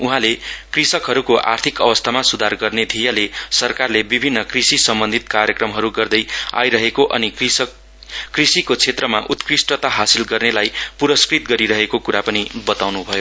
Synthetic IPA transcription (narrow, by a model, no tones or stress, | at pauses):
uɦãlekrisʌkɦʌɾukoʔa̰rt̪ʰikʌbʌst̪ʰamasud̪ʱarɡʌrned̪ʱijalesʌrkarlebibʱinːʌkrisisʌmbʌnd̪ʱit̪̚karjʌkrʌmɦʌɾuɡʌrd̪ʌja̰jɾʌɦekoʔʌni | krisikot͡sʰet̪rʌmaʔut̪krisʈʌt̪aɦasilɡʌrnelajpuɾʌskrit̪ɡʌɾiɾʌɦekokuɾapʌnibʌt̪awnubʱʌjo